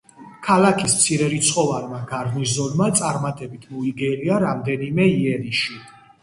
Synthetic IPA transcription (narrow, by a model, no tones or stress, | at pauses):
kʰalakʰismt̪sʰiɾɛɾit̪sʰχɔvalmaɡaɾnis̬zɔnmat̪sʼaɾmat̪ʼɛbit̪ʰmɔiɡɛliaɾamd̪ɛnimɛiɛɾiʃi